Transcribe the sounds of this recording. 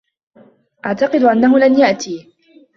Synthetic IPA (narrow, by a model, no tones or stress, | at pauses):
ʔaʕt̪ɑqɨd̪ʊʔanːahʊlanjaʔt̪iː